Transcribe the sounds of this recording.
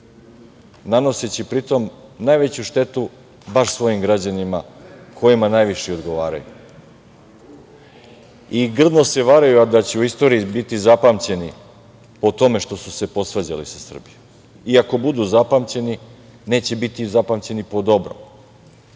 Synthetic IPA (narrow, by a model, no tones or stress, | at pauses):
nano̞set͡ɕipɾit̪o̞mnajʋe̞t͡ɕuʃt̪e̞t̪u | baʃsʋo̞jimɡɾad͡ʑanimakʰo̞jimanajʋiʃeod̪ɡo̞ʋaːɾa̰jṵ | iɡr̩d̪nose̞ʋaɾajuad̪at͡ɕeuist̪o̞ɾiibit̪izapamt͡ɕe̞ni | po̞t̪o̞me̞ʃt̪o̞suse̞po̞sʋad͡ʑa̰lisasr̩bijom | iako̞bud̪uzapamt͡ɕe̞ni | ne̞ːt͡ɕebit̪izapamt͡ɕe̞nipo̞d̪o̞bɾo̰m